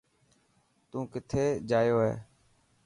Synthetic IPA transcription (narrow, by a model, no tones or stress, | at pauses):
t̪ũːkɪt̪ʰeːd͡ʒaːjoːɦḛː